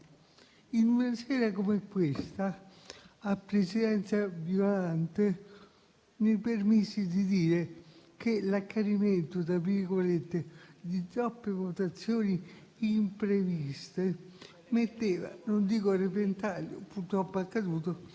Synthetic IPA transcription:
inunasɛːɾakomekːwest̪aː | pɾesid̪ɛnt̪savjolant̪e | nepermisːid̪id̪iːɾekelakːaɾiment̪ot̪ɾaviɾɡolet̪ːed̪it̪ɾɔpːevot̪at̪sːjoːniː | mpɾevist̪e | met̪ːeːva̰nond̪iːkorep̬ent̪aːljo̰purt̪ɾɔpːoakːad̪uːt̪o

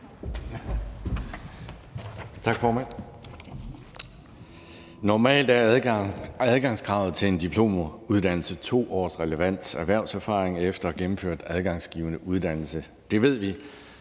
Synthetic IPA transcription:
t͡sʰɑ̈ɡ̥fɒːmæn̰ | nɒmɛ̰ːld̥æɐ | æðˠɡ̥ɑ̈ŋsɡ̥ʁɑ̈ʊð̩ˠt͡sʰe̝le̝nd̥ipʰlo̝̰ːmuð̞ˠd̥æn̰l̩sət͡sʰo̝̰ːɒ̰ːsʁɛləʋæn̰d̥sæɐʋæɐ̰ʊsæɐfɑ̰̈ːʁeŋefd̥ɐæɡ̥emm̩fø̰ɐ̰d̥æð̞ˠɡ̥ɑ̈ŋsɡ̥ḭːʊənəʔuð̞ˠd̥æn̰l̩sə | d̥e̝ʋe̝ð̞̰ˠʋi

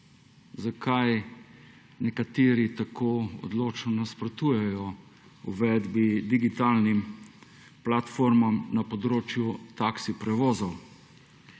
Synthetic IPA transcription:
zakʰaj | nɛkat̪eːɾit̪akʰoːɔ̰d̪loːt͡ʃnɔnaspɾɔt̪uːjɛjɔ | uʋɛd̪bid̪iɡit̪aːlnim | plat̪foːɾmamnapɔd̪ɾoːt͡ʃjut̪aksipɾɛʋoːzɔw

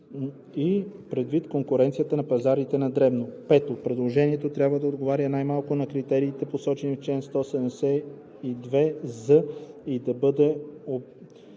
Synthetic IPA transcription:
ipɾɛd̪vit̪koŋkʊɾɛnt̪sijət̪ənɐpɐzaɾit̪ɛnɐd̪ɾɛbnopɛt̪opɾɛd̪lˠoʒɛniɛt̪ot̪ɾʲjabvəd̪ɐod̪ɡovaɾʲjənajmalˠkʊnɐkɾit̪ɛɾiːt̪ɛposɔt͡ʃɛnift͡ʃlɛnst̪ɔsɛd̪msɛ | id̪vɛzəid̪ɐbɤd̪ɛo

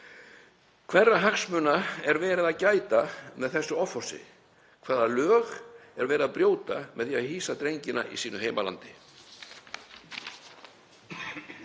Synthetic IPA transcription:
kʰvɛrːaɦaxsmʏːnaɛɾvɛːɾɪðacaːjt̪amɛðθɛsːʏɔfɔ̥sɪ̰ | kʰv̥aːðalœːɣɛɾvɛːɾɪðapɾjoːwt̪amʔɛðθiaðhiːsat̪ɾejɲcɪna̰ʔḭsiːnʏɦeːjmala̰nt̪ɪ

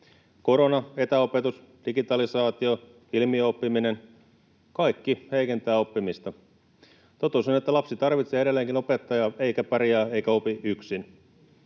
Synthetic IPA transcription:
ko̞ɾo̞nɑe̞t̪æo̞pet̪us | d̥iɡit̪ɑlisɑːt̪io | ilmiopːiminen | kɑikːihe̞ike̞nt̪æːo̞pːimist̪ɑ | t̪ot̪usonet̪ːælɑpsit̪ɑrʋit̪seːee̞lːeːŋkino̞pet̪ːɑjɑe̞ikæpɑrjɑːeikæo̞piʔyksin

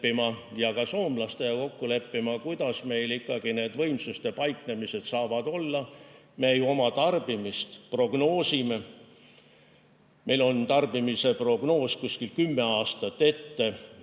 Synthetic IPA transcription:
imɑjɑkɑsoːmlɑst̪e̞jɑko̞kːule̞pːimɑkujd̪̥ɑsme̞jlikːɑɡ̥ine̞ːd̪vɤ̞jmsust̪e̞pɑjkne̞mise̞d̪̥sɑːvɑd̪̥o̞lːɑ | meːjuo̞mɑt̪ɑrb̥imist̪pro̞ɡ̥no̞ːsime̞ | mʔe̞jlo̞nt̪ɑrb̥imise̞pro̞ɡ̥no̞ːskusʲkilkymːe̞ɑːst̪ɑt̪ːe̞t̪ːe̞

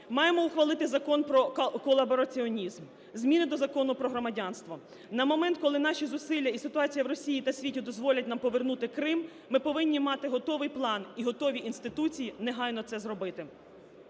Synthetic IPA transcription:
mɑjemɔʊxʋɐlˠɪt̪ɪzɐkɔnpɾɔkɔlˠɐbɔɾɐt͡sʲiɔnʲizm | zʲmʲinɪd̪ɔzɐkɔnʊpɾɔɦɾɔmɐdʲɑnst̪ʋɔ | nɐmɔmɛnt̪̚kɔlˠɪnɑʃʲizʊsɪlʲːɐisɪt̪ʊɑt͡sʲijɐwɾɔsʲijit̪ɐsʲʋʲitʲid̪ɔzʋɔlʲɐtʲnɑmpɔʋernut̪ɪkɾɪmː | ɪpɔʋɪnʲːimɑt̪ɪɦɔt̪ɔʋɪjplˠɑniɦɔt̪ɔʋʲiʔinst̪ɪt̪ut͡sʲijineɦɑjnɔt̪sɛzɾɔbɪt̪ɪ

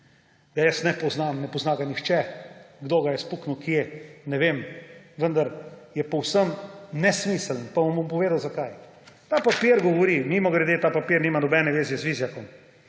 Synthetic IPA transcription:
ɡ̥ajəsnɛpɔznamnɛpɔznaɡanixt͡ʃɛɡd̪oːɡajɛspuknuwkjenɛʋemʋənd̪aɾjɛpɔwsəmnɛsmiːsəlnpamɔmbompɔʋeːd̪awzakaj | t̪aːpapiɾɡɔʋɔɾimimɔɡɾɛd̪eːt̪aːpapiɾnimanɔbɛnɛʋeːzjɛzʋizjakɔm

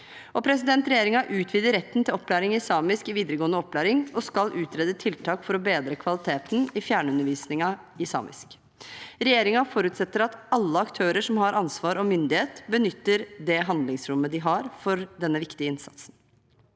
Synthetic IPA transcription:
ɔpʰɾɛs̬ɪd̪ɛnt̪ɾɛjeːɾɪŋɑʔʉːt̪ʰʋiːd̪əɾɛt̪ːn̩t̪ɪlɔpːlæːɾɪŋɪɪsɑːmɪskɪʋiːd̪əɾəɡoːənəɔpːlæːɾɪŋɔskɑlʔʉːt̪ɾeːd̪ət̪ʰɪlt̪ʰɑːkfɔɾɔbeːd̪ɾəkʰʋɑlɪt̪ʰeːt̪n̩ɪfjæːɳəʉnːəɾʋiːsnɪŋɑ | ɪsɑ̰ːmɪ̰sk | ɾɛjeːɾɪŋɑfɔɾʉːt̪sɛt̪ːəɾɑt̪ɑlːəɑkt̪ʰøːɾəʂɔmhɑɾʔɑnsʋɑːɾɔmʏnd̪ɪheːt̪bənʏt̪ːəɾd̪ɛɦɑnd̪lɪŋsɾʊmːəd̪ɪɦɑɾfɔɾd̪ɛnːəʋɪkt̪ɪəɪnsɑ̰t̪sn

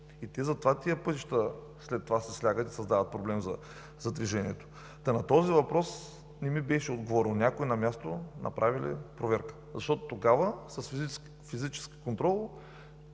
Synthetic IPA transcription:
it̪ɛzɐt̪ovat̪iəpɤt̪iʃt̪ə | slɛt̪ːovasɛslʲaɡət̪i̥sɐzd̪avət̪̚pɾoblɛmzɐ̰ | zɐd̪viʒɛnʲiɛt̪o̥ | t̪ɐnɐt̪ɔzivɐpɾɔs | nɛmibɛʃɛod̪ɡovɔɾɛlˠnʲakoinɐmʲjast̪onʔɐ̰pɾʔavilḭpɾovɛɾkə̥zɐʃt̪ɔt̪o̥t̪oɡavəsɐsf | fizit͡ʃɛ̥ski̥kont̪ɾɔlˠ

